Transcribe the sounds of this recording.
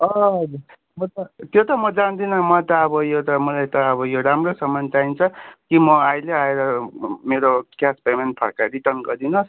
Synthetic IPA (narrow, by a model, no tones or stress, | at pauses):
ʌʌd͡zu | mʌt̪ʌt̪jot̪ʌmʌd͡zand̪inʌmʌt̪ʌːbʌjot̪ʌmʌlajt̪ʌːbʌjoɾamrosʌmʌnt͡saint͡sʰʌkimʌajleaeɾʌmeɾokjaspemenʈ̚pʰʌ̰ɽkaɾiʈʌnɡʌd̪inʌs